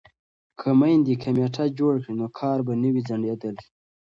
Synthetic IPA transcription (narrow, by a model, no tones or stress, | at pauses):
kʰəmajnd̪ikʰameʈʰad͡ʒoɽkɽinokʰɑːɾbanəwizaɳɖed̪əl